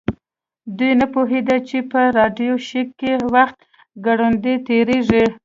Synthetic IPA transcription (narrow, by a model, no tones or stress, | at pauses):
d̪ujnapoɦed̪at͡ʃepəɾɑɖjoʃikːewaxt̪ | ɡaɽund̪et̪eɾeʐi